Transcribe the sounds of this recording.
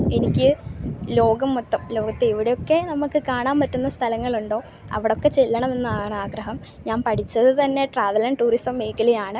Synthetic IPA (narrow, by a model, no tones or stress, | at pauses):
enikʲːɨlo̞ːɡɐmːut̪ːɐmlo̞ːɡɐt̪ːeiʋiɽe̞jo̞kːe̞nɐmukːɨkaːɳaːmpɐtːunːɐst̪ʰɐlɐŋːɐɭuɳɖo̞ː | ɐ̰ʋiɽo̞kːe̞t͡ɕelːɐɳɐme̞nːɨaːɣɐɳɐaːɡɾɐɦɐm | ɲaːnpɐʈʰit͡ɕːɐðɨt̪ɐnːe̞ʈraːðɐlɐnʈuːrisɐmːeːkɐlijaːɳɨ